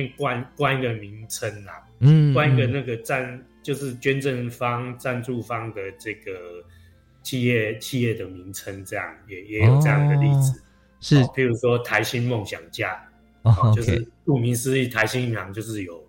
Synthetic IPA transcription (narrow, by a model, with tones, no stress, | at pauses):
ŋkwa˥˧nkwa˥˧ni˧ɡə˨mi˨˦ŋt͡sʰə˧˦nla˨˩ŋ̩˥wa˥˦ni˧ɡə˨na˥˩ɡə˩t͡sa˥˧nt͡ɕjo˥˧ʊʂɻ̩˥˨t͡ɕɥɛ˦nʈ͡ʂə˥˨nfɑ˦˥ŋt͡sa˥˧nʈ͡ʂu˥˨fɑ˦ŋd̪ə˨t͡sə˥˧ɡə˩ | t͡ɕʰi˥˧jɛ˥˧˩t͡ɕʰi˥˧jɛ˥˩d̪ə˩mi˨˦ŋt͡sʰə˦nt͡sɤ˥˧jɑ̰˥˩ŋjɛ˨˩jɛ˧˦jo˨˩ɤ˥˧jɑ˥˩ŋd̪əli˥˩d͡zɹ̩˨˩ | ʂ̩˥˨˦pʰi˧˥ɻu˧˦˥ʂwɔ˦t̪ʰa˧˦ɪɕi˦˥nmo˥˨˩ŋɕja̰˨˩ŋt͡ɕja˥˩˨ | t͡ɕjo˥˧ʊʂɻ̩˥˨lu˥˩mi˨˦ŋs̩˦i˥˨˩t̪ʰa˧˦ɪɕi˦ni˥˩nla˧˦ŋt͡ɕjo˥˧ʊʂ̬ɻ̩˥˩jo˨˩ʊ